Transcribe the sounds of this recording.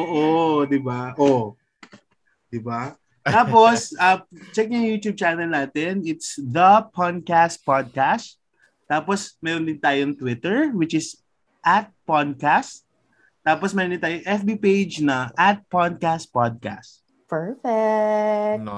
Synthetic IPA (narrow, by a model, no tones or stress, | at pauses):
ʔoːʔod̪ɪbaʔo | d̪ɪba | taːposɐt͡ʃɛk̚jɐŋjuːt̪jub̚t͡ʃanɐlnaːt̪ɪnɪt̪sd̪ɐpʰad̪̚kast̪̚pad̪̚kast̪̚ː | aːposmɛɾond̪ɪnt̪aːjoŋt̪wɪt̪ɛɹwɪt͡ʃɪs | ʔɐt̪̚pad̪̚kast̪̚ | t̪ːaːposmɛɾond̪ɪnt̪aːjoʔɛfbipejd͡ʒnɐʔat̪̚pod̪̚kast̪̚pad̪̚ka̰st̪̚ | pɛɹfɛ